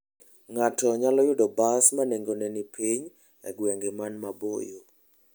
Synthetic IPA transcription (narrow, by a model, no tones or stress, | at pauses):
ŋatɔɲalɔjʊdɔbasmaneŋɡonɛnipʰiɲ | ɛ̰ɡwɛŋɡemanmabo̰jo